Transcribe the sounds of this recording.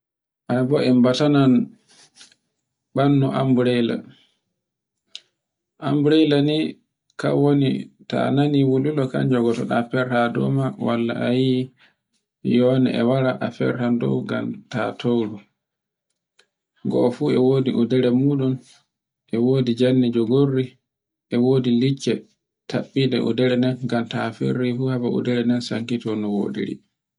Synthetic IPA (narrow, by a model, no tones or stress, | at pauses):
ʔabɔʔɛmbatanan | ɓanːɔʔambuɾɛla̰ | ʔambɾɛlani | ka̰wonḭta̰naniwululɔka̰nd͡ʒɔɡɔtɔɗafɛɾhadɔ̰mawalːa̰ʔaji | jɔnɛ̰ʔɛwaɾaɗa̰fɛ̰ɾhandɔ̰wɡa̰mtatʰowɾu | ɡɔ̰fuːɛwoːdiʔudɛɾɛmuːɗun | ʔɛwoːdid͡ʒanːid͡ʒɔɡorːi | ʔɛwoːdilit͡ʃːɛ | tʰaɓːidɛʔṵdɛɾɛnɛnɡamtafḛɾːifuhabaṵdɛɾɛnɛnsaŋkitɔnɔwo̰dḭɾḭ